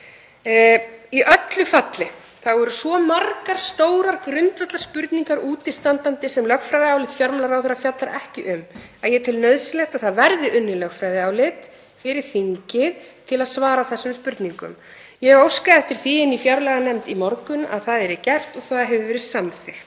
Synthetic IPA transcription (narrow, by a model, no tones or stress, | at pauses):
iʔœt̪lʏfat̪lɪ | θaɣɔɾʏsvɔmarkaɾ̥st̪oːwɾaɾkɾʏnt̪vœht̪aɾ̥spʏɾt̪niŋkaɾuːt̪ɪst̪ant̪ant̪ɪsɛmlœxfɾajðɪaːwlɪt̪fjaɾmlaɾawθɛɾafjat̪laɾʔɛhcɪʔʏmaðjɛt̪ʰɪlnœɥðsɪlɛxt̪aðθaðvɛɾðɪʔʏnːɪlœxkfɾajðɪaːwlɪt̪ | fɪɾɪɾ̥θiɲcɪðt̪ʰɪlaðsvaːɾaθɛsːʏmspʏɾt̪niŋkʏ̰m | jɛɣowskaɛft̪ɪɾ̥θiɪnifjaɾlɛɣanɛmt̪imɔɾkʏna̰ðθaðɛɾɪcɛr̥t̪ɔɣθaðaɦɛvʏvɛːɾɪsamθɪxt̪